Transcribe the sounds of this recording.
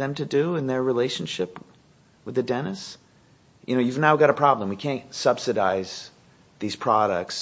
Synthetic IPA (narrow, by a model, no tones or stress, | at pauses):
ðɨ̃mtʰɨduɪ̃nðə˞ɹileɪʃn̩ʃɪp | wɨðɨdɛnɨs | jʔɨ̰noʊjʉvnaʊɡɑɾəpʰɹ̥ɑblə̃mwikʰæ̃ntsʌb̥sɨɾaɪz̥ | ðiz̥pʰɹ̥ɑɾək̚ts